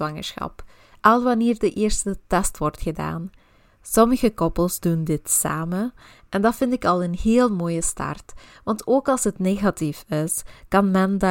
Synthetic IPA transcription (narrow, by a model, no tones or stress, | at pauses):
ɑŋə̰sxɑ̰p | ʔɑlˠʋɑneːrdəʔɪːrstətɛstʋɔrtxəda̰ːn | sɔməɣəkɔpəlˠzdundɪtsa̰ːmə | ʔɛndɑtfɪntɪkɑlˠənɦeːlˠmoːjəstɑ̰rtʋɑntoːkɑlˠsɦətneːɣatifɪskɑnmɛnd